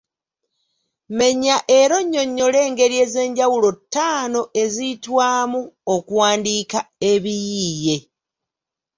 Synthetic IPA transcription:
me̞ɲaʔe̞ɾo̞ɲːo̞ɲːo̞le̞ːŋɡe̞ɾie̞ːze̞ːɲɟawulo̞tːaːno̞ʔe̞zitwaːmuokuwaːndiːkae̞βijije̞

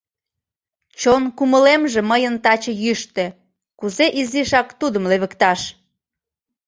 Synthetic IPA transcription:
t͡ɕonkuməlemʒĕməjənt̪ɑt͡ɕɤjyʃt̪e | kuzeʔiziʃɑkt̪ud̪əmleβə̆kt̪ɑʃ

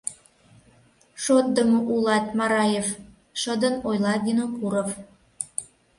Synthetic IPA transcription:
ʃot̪̚d̪əmoʔulɑt̪̚mɑɾɑjev | ʃəd̪ənojlɑɡʲinokuɾof

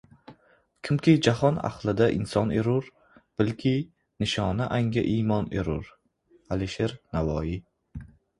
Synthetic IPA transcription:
kʲʰɪmkʲʰɪd͡ʒahɒna̰χlˠɪd̪aʔɪ̰nsɒneɾʊɾ | b̥ɪlkʲʰɪ | nɪʃɒnaʔaŋɡʲa̰ʔiːmɒnḛɾʊɾ | aliʃeɾnavɒji

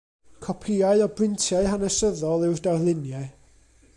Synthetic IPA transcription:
kʰɔpʰiːaɨɔbrɪntʰjaɨɦanəsəðɔlˠɪwrdarlˠɪnjɛ

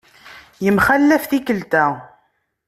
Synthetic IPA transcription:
jəmχælːæfθikəlt̪æ

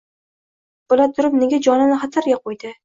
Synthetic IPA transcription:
b̥ʊlat̪ʰʊɾɪpneɡʲad͡ʒɒnanɪχat̪ʰaɾɡʲaqʰojd̪ɪ

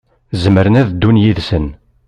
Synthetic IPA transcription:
zəməɾənæðd̪ːunjiðsən

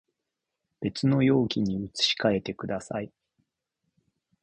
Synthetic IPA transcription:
b̥e̞t͡sɨno̞jo̞ːkʲiɲ̟iɯ̟t͡sɨ̥ɕi̥kae̞t̪e̞kɯ̟d̪asa̰i

